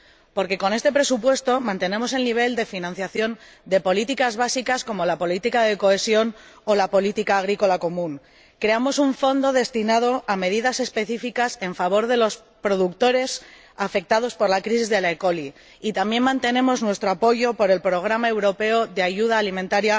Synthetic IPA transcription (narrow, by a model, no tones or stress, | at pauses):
po̞ɾkeko̞ne̞st̪e̞pɾe̞supwe̞st̪o̞mãnt̪e̞nẽ̞mo̞s̬e̞lniβ̞e̞ld̪e̞finãn̟θjaθjo̞n | d̪e̞po̞lit̪ikazβasikasko̞mo̞lapo̞lit̪ikað̞e̞ko̞e̞sjo̞n | o̞lapo̞lit̪ikaːɣ̞ɾiko̞lakomũŋ | kɾe̞amo̞suɱfo̞nd̪o̞ðe̞st̪inað̞o̞ame̞ðiðase̞spe̞θifikase̞ɱfaβ̞o̞ɾðe̞lo̞s | pɾo̞ðukt̪o̞ɾe̞s | afe̞k̚t̪að̞o̞spo̞ɾlakɾis̬izðe̞laeko̞li | it̪ambje̞nmãnt̪e̞nẽ̞mo̞znwe̞st̪ɾoapo̞ʝo̞po̞ɾe̞lpɾo̞ɣ̞ɾamae̞wɾo̞pe̞oðe̞aʝuð̞aːlimẽnt̪aɾja